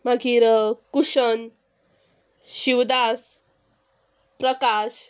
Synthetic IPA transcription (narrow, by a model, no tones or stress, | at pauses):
maɡiɾəkuɕən | ɕiwd̪as | pɾəkaɕ